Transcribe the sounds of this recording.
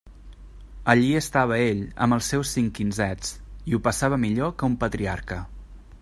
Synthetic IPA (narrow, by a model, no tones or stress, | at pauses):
əʎiəst̪aβ̞əeʎə̰mbəlˠsːɛwsːiŋkinzɛt͡siupəsaβəmiʎokəumpət̪ɾiaɾkə